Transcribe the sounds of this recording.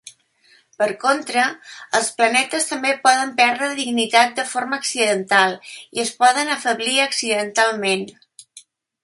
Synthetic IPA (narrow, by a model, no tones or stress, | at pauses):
pəɾkont̪ɾəəlˠsplənɛt̪əst̪əmbepɔðəmpɛɾðɾəðiɡnit̪at̪̚d̪əfoɾməːksiðənt̪alˠiəspɔðənəfəβliəksiðənt̪alˠmen